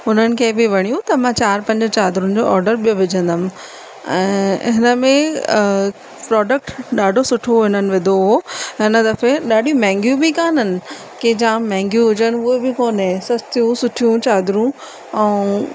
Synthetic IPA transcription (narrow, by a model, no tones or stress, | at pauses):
ɦʊn̤ənɪ̆kʰebɪʋɐɽ̃ijũt̪ɐmãt͡ɕaːɾpɐ̃ɲd͡ʑət͡ɕaːd̪ɾũnɪ̆d͡ʑoːʔɔːɾɖəɾɓijoʋɪd͡ʑʱə̃nd̪əm | ɛ̃ːɦɪnəmẽ | pɾɔːɖək̚ʈɗaːɖʱosʊʈʰoɪnənɪ̆ʋɪd̪ʱoɦoɦɪnəd̪ɐfeɗaːɗijũmɛ̃ːŋɡjũbikaːnənɪ̆ | ked͡ʑãːmɛ̃ːŋɡjũɦʊd͡ʑənɪ̆uːebɪkoːnɦẽsɐst̪ijũsʊʈʰijũt͡ɕaːd̪ɾũ | ɛ̃ː